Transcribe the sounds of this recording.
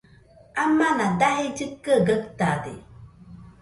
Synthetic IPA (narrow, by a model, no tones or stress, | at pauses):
amːanadaɦɪd͡ʒɨkːəɡək̚tadɪ̰